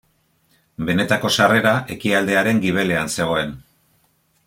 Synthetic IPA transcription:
be̞ne̞t̪ako̞sare̞ɾaʔe̞kiald̪e̞aɾe̞ŋɡiβ̞e̞le̞anse̞ɣ̞o̞e̞n

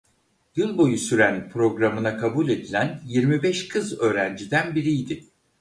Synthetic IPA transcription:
d̪̥ɯlˠbo̞jusyɾænpʰɾo̞ɡɾamɯnakʰabulʲe̞d̪ilʲænjiɾmibɛʃkʰɯzø̞ːɾænd͡ʒid̪ænbiɾijd̪ɪ

